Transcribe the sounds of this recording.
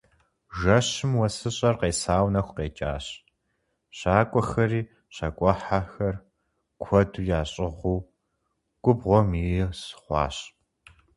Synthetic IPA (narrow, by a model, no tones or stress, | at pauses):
ʒɐɕɪmwɐsɨɕʼɐrqeːsaːwnɐxʷqeːt͡ʃʼa̰ːɕ | ɕaːkʷʼɔxɐriː | ɕɐkʷʼɔħaxɐr | kʷʰɔduːjaːɕʼɪʁʷuː | ɡʷʼʊbʁʷɔmisχʷɑ̰ːɕ